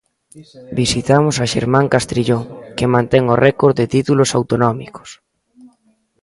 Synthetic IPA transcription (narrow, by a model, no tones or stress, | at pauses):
bisit̪amʊsaʃḛɾmãŋkast̪ɾiʎoŋkemãnt̪ɛŋorʔɛkoɾd̪ɪt̪it̪ulosawt̪onɔmiko̥s